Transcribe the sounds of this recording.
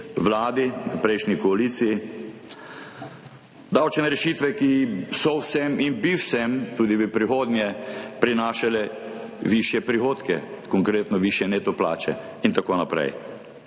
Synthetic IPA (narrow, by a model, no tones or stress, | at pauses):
ʋlaːd̪iəpɾɛjʃnikɔaliːt̪siji | d̪awt͡ʃnɛɾɛʃiːt̪ʋɛkisɔwsɛminbiwsɛmt̪uːd̪ibipɾixoːd̪njɛpɾinaːʃalɛʋiʃjɛpɾixoːt̪kɛ̰kɔŋkɾeːt̪nɔʋiʃjɛneːt̪ɔpla̰ːt͡ʃɛ̰ | int̪akoːnapɾɛ̰j